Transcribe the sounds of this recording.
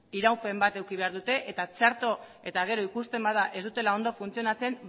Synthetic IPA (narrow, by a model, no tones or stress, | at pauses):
iɾawpe̞mbat̪e̞wkiβ̞e̞aɾðut̪e̞ʔet̪at͡ʃeaɾt̪o̞ | e̞t̪aɣ̞e̞ɾo̞ikust̪e̞mbaðaʔe̞zd̪ut̪e̞lao̞nd̪o̞funt͡sio̞nat͡se̞m